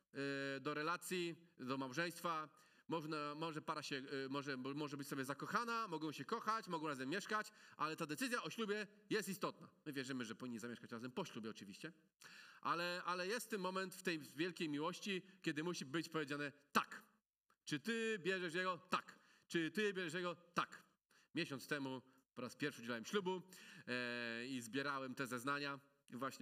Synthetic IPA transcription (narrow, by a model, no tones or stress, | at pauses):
d̪ɔɾɛlat̪sʲjid̪ɔmawʐɛj̃st̪fa | mɔʐnamɔʐɛpaɾaɕɛmɔʐɛmɔʐɛbɘt͡ɕʲsɔbʲjɛzakɔxanamɔɡɔ̃w̃ɕɛkɔxat͡ɕmɔɡɔ̃w̃ɾazɛmːjɛʂkat͡ɕʔalɛt̪ad̪ɛt̪sɘzʲjaɔɕlubʲjɛ | jɛst̪ist̪ɔt̪na̰mɘvʲjɛʐɘmɘʐɛpɔvʲiɲːizamʲjɛʂkat͡ɕɾazɛmpɔɕlubʲɛɔt͡ʂɨvʲḭɕt͡ɕɛ | ʔa̰lɛalɛjɛst̪ːɛmmːɔmɛnt̪ft̪ɛjvʲjɛlkʲejmʲiwɔɕt͡ɕikʲɛd̪ɘmuɕibɘt͡ɕpɔvʲed͡ʑanɛt̪a̰k | t͡ʂɨt̪ɘbʲjɛʐɛʂ̬jɛɡɔt̪ak | t͡ʂɘt̪ɘbʲjɛʐɛʂ̬jɛɡɔt̪ak | mʲjɛɕɔnt̪st̪ɛmu | pɔɾaspʲjɛɾfʂɨd͡ʑɛlawɛmɕlubu | izbʲjɛɾawɛmt̪ɛzɛznaɲa | vwaɕɲɛ